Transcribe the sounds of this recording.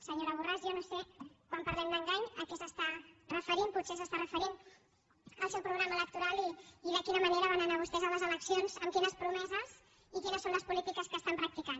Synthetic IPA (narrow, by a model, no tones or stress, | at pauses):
səɲoɾəβ̞urazjanosekwampəɾlɛmd̪əŋɡaɲəkɛsəst̪arəfəɾimput̪sesəst̪arəfəɾin | əlˠsɛwpɾuɣɾaməːlək̚t̪uɾalˠiiðəkinəməneɾəβ̞anənaβust̪ɛzələzələksionzəmkinəspɾumɛzəz | ikinəsːonləspulit̪ikəskəst̪ampɾək̚t̪ikan